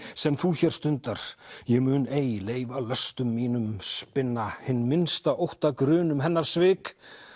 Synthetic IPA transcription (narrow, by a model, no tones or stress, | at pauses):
sɛmθuːçɛr̥st̪ʏnt̪aɾ̥jɛɣmʏːneːjleːjvalœst̪ʏmːiːnʏmspɪnːahɪnːmɪnst̪aʔowht̪akɾʏːnʏmɦɛnːaɾ̥svɪːk